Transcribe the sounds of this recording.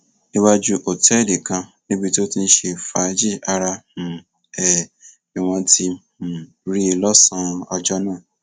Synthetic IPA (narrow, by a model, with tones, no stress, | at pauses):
i˧wa˧d͡ʒu˦ʔo˨tɛ˨˦˨de˨kã˧nĩ˦bi˧ti˦o˦ti˧n̩˦ʃe˧˨fa˨˦d͡ʒi˦a˧ɾa˧h̩˨ | ɛ˨ | i˨w̃ɔ̃˧ti˧ | ũ˨ | ɾi˦i˧lɔ˦sã˦ɔ˧d͡ʒɔ˦nãː˦˨